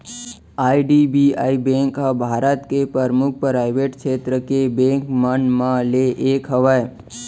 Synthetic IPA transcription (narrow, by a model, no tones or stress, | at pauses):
aːiɖibiaːibẽŋkabʱaːɾət̪kepəɾmʊk̚ʰpɾaːɪʋeːʈkʃeːt̪ɾəkebẽːŋkmənmãleʔeːkɦəʋəj